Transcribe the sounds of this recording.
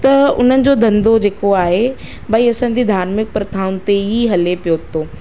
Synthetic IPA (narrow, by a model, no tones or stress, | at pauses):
t̪ɐʊ̰n̤ənɪ̆d͡ʑod̪ʱɐ̃nd̪od͡ʑeːkoaːɦe | bʱaiɐsãːɲ̆d͡ʑid̪ʱaːɾmɪk̚pɾɐt̪ʰaːʊnɪ̆t̪eɦiɦɐlepijoːt̪oː